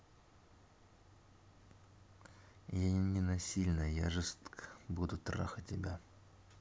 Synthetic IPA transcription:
janʲɪnɐsʲilʲnəja̰ʐɨst̪kə̥bud̪ʊt̪ra̰xətʲːɪbʲa

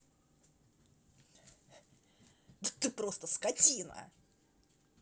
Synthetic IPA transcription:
d̪ət̪ɨpɾost̪əskɐtʲinə̰

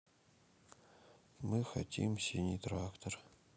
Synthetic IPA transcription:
mɨxɐ̰tʲḭmsʲinʲit̪ɾakt̪or

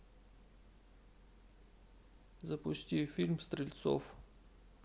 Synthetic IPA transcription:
zapust̪ʲifilʲmst̪ɾilʲt̪sɔ̰f

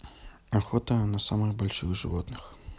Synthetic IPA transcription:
axɔt̪ɐnɐsamɨɣbɐlʲʂɨɣʐɨ̰vɔt̪nɨx

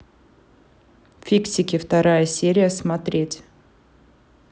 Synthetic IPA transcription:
fʲiksʲɪkʲɪft̪ɐɾajəsʲeɾʲɪjəsmɐt̪ɾʲetʲ

